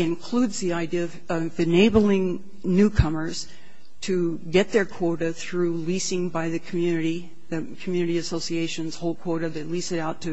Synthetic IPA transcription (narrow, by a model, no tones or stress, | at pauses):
ɨ̃nkʰl̥udzðiaɪdiʌvʌvɨneɪbl̩ˠɪ̃ŋ | nʉkʰʌmə˞z̥ | tʰɨ | ɡɛt̪̚ðə˞kʰw̥ɔɹɾɨθɹʉlisɪ̃ŋbaɪðɨkʰmjʉnɨɾi | ðɨkʰmjʉnɨɾiɨsoʊsieɪʃɨ̃nz̥hoʊlˠkʰw̥ɔɹɾɨðeɪlisɨɾaʊtʰɨ